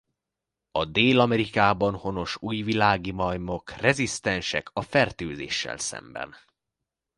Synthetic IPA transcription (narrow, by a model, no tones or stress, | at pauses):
ɒd̪eːlɒmɛɾikaːbɒnho̞no̞ʃuːjvilaːɡimɒjmo̞krɛzist̪ɛnʃɛ̰kɒfɛrt̪øːzḛːʃːɛ̰lsɛ̰mbɛ̰n